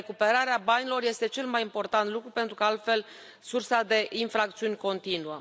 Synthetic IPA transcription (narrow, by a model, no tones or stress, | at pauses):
ekupe̞ɾaɾeabanʲilo̞rje̞st̪e̞t͡ʃe̞lmajimpo̞rt̪ant̪lukɾupe̞nt̪ɾukəalt̪fe̞l | sursad̪e̞ʔinfɾak̚t̪siunʲko̞nt̪inuə